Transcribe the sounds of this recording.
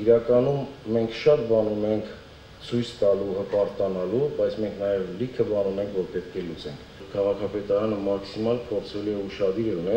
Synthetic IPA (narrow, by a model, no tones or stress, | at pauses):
iɾɑkɑnumːɛŋkʰʃɑt̪bɑnumɛŋkʰ | t͡sʰujt͡st̪ɑluɦəpɑɾt̪ɑnɑlubɑjt͡sʰmɛŋkʰnɑjɛvlikʰəbɑnumɛŋkʰvɔɾpɛt̪̚kʰɛlut͡sɛŋkʰkʰɑʁɑkʰɑpɛt̪ɑɾɑnəmɑksimɑlpʰɔɾt͡sʰɛluɛuʃɑd̪iɾɛunɛ